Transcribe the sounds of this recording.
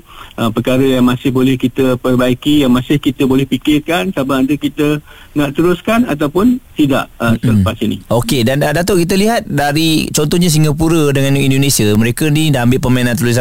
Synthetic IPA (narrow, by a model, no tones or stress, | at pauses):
ʔəpəkaɾəjaŋmãsɪhbolɛhkit̪əpərbaikijaŋmãsɪhkit̪əbolɛhpikɪrkansabaʔandəkit̪ə | naʔt̪əɾʊskanat̪awpʊnt̪ida̰ʔəsələpasinḭʔokedandat̪əʔkit̪̬əliɦat̪̚daɾit͡ʃɔnt̪ɔhɲãs̬iŋɡapuɾədəŋãnindonẽsiəməɾekənĩdaambɪʔpəmainãnt̪əls̬